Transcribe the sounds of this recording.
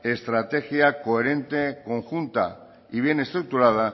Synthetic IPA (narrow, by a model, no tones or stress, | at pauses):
est̪ɾat̪e̞xjakoeɾẽ̞nt̪e̞ko̞ŋxunt̪a̰ | iβ̞je̞ne̞st̪ɾuk̚t̪uɾað̞a